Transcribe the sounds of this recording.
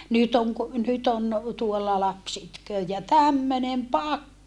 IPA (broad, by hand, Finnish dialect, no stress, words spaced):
nyt oŋ ku nyt on tuolːɑ lɑps itkøː jɑ tæmːønem pɑkːɑne